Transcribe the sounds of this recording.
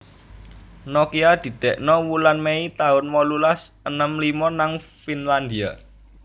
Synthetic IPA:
nɔkiad̪̥i̤d̪̥ɛʔnɔwulanmeit̪aʊnmɔlulasənəmlimɔnaŋfinland̪ia̰

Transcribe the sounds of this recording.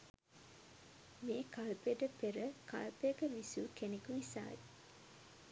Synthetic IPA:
meːkalpeʈəpeɾəkɐ̰lpekəʋisukenekunisa̰ːe

